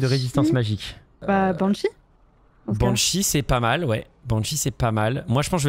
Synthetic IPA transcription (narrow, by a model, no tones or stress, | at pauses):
d̪əʁezist̪ɑ̃smaʒik | babɑ̃ʃi | bɑ̃ʃisɛpamalwɛ | bɑ̃ʃisɛpamalmwaʒəpɑ̃sʒ